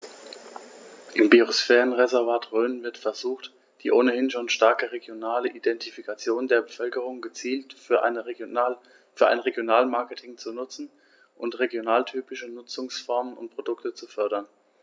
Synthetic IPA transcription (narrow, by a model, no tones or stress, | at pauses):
ʔɪmbiʁosfɛːʁənʁezɛɐvaːtʁøːnvɪɐtfɛɐzuːxt | d̥iːʔoːnəhɪnʃoːnʃtaɐkəʁeɡjonaːləʔidɛntʰifikʰat͡sjoːndeːɐbəfœlkəʁ̞ʊŋɡət͡siːlt | fyːɐʔa̰ɪnʁeɡjonaːlmaɐkətʰɪŋt͡sunʊt͡sn̩ | ʔʊntʁeɡjonaːltʰyːpɪʃənʊt͡sʊŋsfɔɐmənʊ̰ntpʁ̥odʊktət͡sufœɐɾɐn